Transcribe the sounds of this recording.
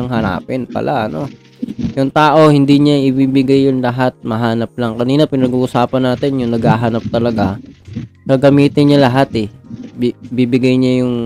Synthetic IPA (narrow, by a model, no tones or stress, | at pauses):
ɐŋɦɐna̰ːpɪnpɐ̰lʔaʔɐno̞ | jʊŋt̪aːʔo̞hɪnd̪iːɲaʔɪbiːbɪɡajːʊŋlɐɦat̪̚mɐɦaːnɐp̚lɐŋkɐniːnɐpɪnɐɡuːʔʊsaːpɐnːaːt̪ɪnjʊŋnɐɡhaːɦanɐp̚t̪ɐlɐɡa | kɐɡɐmiːt̪ɪnɲɐlɐɦat̪ɛbbiːbɪɡajɲajʊŋ